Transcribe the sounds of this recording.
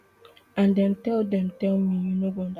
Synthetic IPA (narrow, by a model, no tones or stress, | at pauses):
ãndɛ̃mtɛldɛ̃mtɛlmijunoɡɔ̃nd